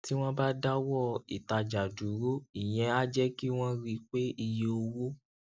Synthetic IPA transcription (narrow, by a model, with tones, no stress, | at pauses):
ti˦w̃ɔ̃˦ba˦da˦wɔ˦˨i˨ta˧d͡ʒa˨du˨˦ɾo˦i˨j̃ɛ̃˧a˦d͡ʒɛ˦ki˦w̃ɔ̃˦ɾi˦k͡pe˦i˧je˧o˧wo˦